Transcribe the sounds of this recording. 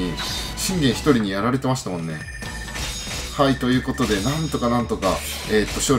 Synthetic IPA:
iɕĩŋɡẽ̞ɰ̃çi̥t̪o̞ɾʲiɲ̟ijaɾaɾe̞t̪e̞maɕi̥t̪amõ̞nːe̞̰ | hait̪o̞jɯ̟ːko̞t̪o̞d̪e̞nãnt̪o̞kanãnt̪o̞ka | eːt̪ːo̞ɕo̞ː

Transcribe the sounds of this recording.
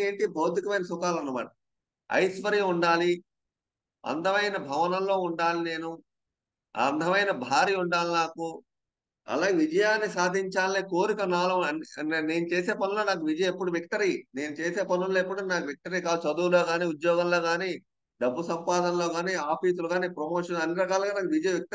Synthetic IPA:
eːɳʈibʱoːd̪ʱikɐmɐjnɐsukaːlɐnːɐma̰ːʈɐ | ɐ̰jsʋɐɾiːuɳɖaːli | ɐ̰nd̪ʱɐʋɐjnɐbʱɐʋɐnɐmlo̞ːuɳɖaːline̞ːnu | ɐ̰nd̪ʱɐmɐjnɐbʱaːɾiːuɳɖaːlinaːku | ɐ̰laːɡeʋid͡ʒɐjaːnːisaːd̪ʱiɲt͡ʃaːlːekoːɾikɐnaːlɐɐnne̞ːnut͡ʃeːse̞ːpɐnuloːnaːk̬uʋid͡ʒɐjɐmepːuɽuʋik̚ʈɐɾine̞ːnut͡ʃeːse̞ːpɐnuloːepːuɽunaːkuʋik̚ʈɐɾiːkaːd̪ut͡ʃɐd̪uːlo̞ːɡaːniːud̪jɔːɡɐnlo̞ːɡaːniː | ɖɐbːusɐmpaːd̪ɐnlo̞ːɡaːniːaːpʰiːsuluɡaːniːpɾɐmoːʂɐnɐnːiɾɐkaːlɡaːnaːkuʋid͡ʒɐjɐ̃ʋik̚ʈ

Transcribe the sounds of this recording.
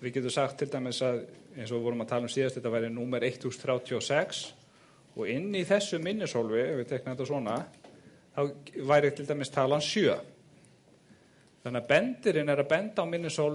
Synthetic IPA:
vɪðcɛːt̪̬ʏsaxt̪ʰːɪlt̪ajmɪsaðejnsɔvɔːɾʏmaðt̪ʰaːlamsiːðast̪ɛht̪avaːjɾɪnuːmɛɾejht̪ːust̪θɾjaːwt̪ʰjiɔsɛks | ɔ̰ɣɪnːiθɛsːʏmɪnːɪsowlvɪɛvɪt̪ʰɛk̚nnmɛt̪asvɔːna | θawvajɾɪt̪ʰɪlt̪ajmɪst̪ʰaːlansjœː | θanːapɛnt̪ɪɾɪnɛɾaðpɛnt̪aːwmɪnːɪsowl

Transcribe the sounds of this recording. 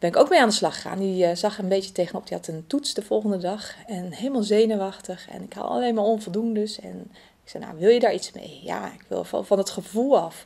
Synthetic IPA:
b̥ɛnɪkowkmeaːndəslɑxəχa̰ːndizɑxəənbejtjətejɣənɔp̚dihɑtəntutsdəv̥ɔlˠχəndədɑxɛnhejlˠəmalˠzejnəwɑxtəxɛ̰nɪkha̰la̰lenmaːɹɔnvolˠdundəsɛ̰n | ɪksɛjna̰ʋɪlˠjədaːɹitsmḛjja̰ɪkʋɪ̰lˠffɔnətχəvulˠɑf

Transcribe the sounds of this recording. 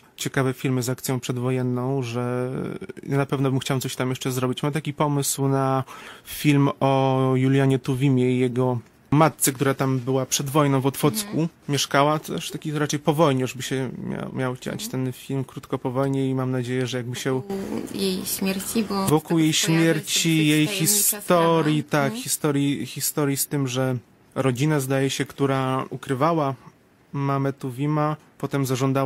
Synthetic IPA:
t͡ɕɛkavɛfʲilmɘzak̚t̪sʲjɔ̃w̃pʂɛd̪vɔjɛnːɔ̃w̃ʐɛ | janapɛvnɔbɘmxt͡ɕawt̪sɔɕt̪amjɛʂt͡ʂɛzɾɔbʲit͡ɕmat̪akʲipɔmɘswnafʲilmɔjulʲjaɲɛt̪uvʲimʲjɛijɛɡɔ | mat̪̚sɛkt̪uɾat̪ambɘwapʂɛd̪vɔjnɔ̃w̃vɔt̪fɔt̪skumʲɛʂkawat̪ɛʂt̪akʲiɾat͡ʂɛjpɔvɔjɲɛaʐbɘɕɛmʲa̰mʲjawt͡ɕa̰t͡ɕt̪ɛnfʲilmkɾut̪kɔpɔvɔjɲɛimamnad͡ʑejɛʐɛjaɡ̚bɘɕɛjejɕmʲjɛɾt͡ɕibɔvɔkuwjejɕmʲjɛɾt͡ɕijejxʲist̪ɔɾʲjit̪akxʲist̪ɔɾʲjixʲist̪ɔɾjist̪ɘmʐɛ | ɾɔd͡ʑinazd̪ajɛɕɛkt̪uɾaukɾɘvawa | mamɛt̪uvʲima | pɔt̪ɛmzaʐɔnd̪a

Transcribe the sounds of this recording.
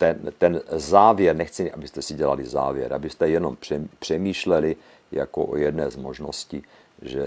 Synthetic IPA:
t̪ɛnt̪ɛnzaːvjɛɾnɛxt͡sɪʔabɪst̪ɛsɪɟɛlalɪza̰ːvjɛ̰ɾʔa̰bɪst̪ɛjɛno̞mpr̥ɛpr̥ɛmiːʃlɛlɪ | ja̰ko̰ʔo̰jɛdnɛːzmoʒno̞sciː | ʒɛ̰

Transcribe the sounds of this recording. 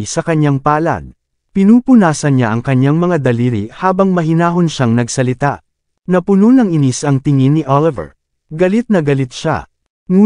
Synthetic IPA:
sɐkɐɲjaŋpaːlɐ̰d̪ | pɪnuːpʊnaːsɐnɲaʔɐŋkɐɲjaŋmɐŋad̪ɐliːɾihaːbɐŋmɐɦɪnaːɦonʃaŋnɐɡsɐlɪt̪a̰ʔ | nɐpʊnonɐŋɪnisɐŋt̪ɪŋinːɪʔalɪvɛ̰ɹ | ɡɐlɪt̪̚nɐɡɐlɪt̪̚ʃa̰ | ŋuː

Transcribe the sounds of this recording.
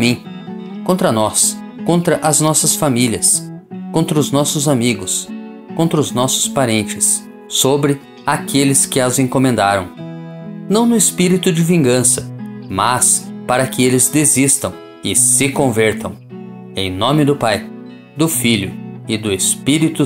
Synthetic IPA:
mĩ | kõnt̪ɾɐnɔs | kõnt̪ɾɐʔɐznɔsɐsfamiljɐskõnt̪ɾɐʊznɔsʊzamiɡʊs | kõnt̪ɾɐʊznɔsʊ̥spaɾẽnt͡ʃɪsː | obɾɪ | akelɪskɪɐzẽkõmẽnd̪aɾɐ̰̃w̃ | nɐ̃w̃nʊɪspiɾit̪ʊd͡ʒɪvĩŋɡɐ̃sɐmaspaɾɐkɪelɪzd̪ezist̪ɐ̃w̃ | ɪsɪkõvɛɾt̪ʰɐ̃w̃ | ḛ̃j̃nõmɪd̪ʊpaj | d̪ʊfiʎʊɪd̪ʊespiɾit̪ʊ

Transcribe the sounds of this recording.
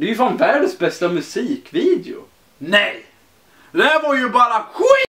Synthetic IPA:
d̪ɛjʉfanvæːɖəsbɛst̪amɵsiːkviːd̪ɛʊ̰ | nɛj | lɛvoɾjʊbɑːɾakʊ

